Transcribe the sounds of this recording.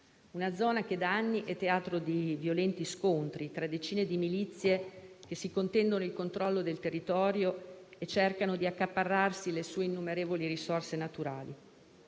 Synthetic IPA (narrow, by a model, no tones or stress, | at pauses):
unad̪zːɔːnak̟ed̪aanːiʔɛt̪ːeaːt̪ɾod̪ivjolɛnt̪iskont̪ɾit̪ɾad̪ːet͡ʃiːned̪imilit̪sːjek̟esːikont̪ɛnd̪onoilkont̪ɾɔlːod̪elt̪erːit̪ɔːɾjoet͡ʃːerkanod̪iakːapːarːarsilesuːeinːumeɾeːvoliɾisorsenat̪uɾaːlḭ